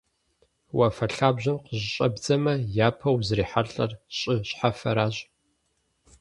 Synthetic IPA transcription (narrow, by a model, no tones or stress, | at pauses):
wɐfɐɬaːbʑɐnqəʑɕʼɐbd͡zɐmɐjaːpʰɐwzriːħaɬʼɐrɕʼɪɕħafɐɾaːɕ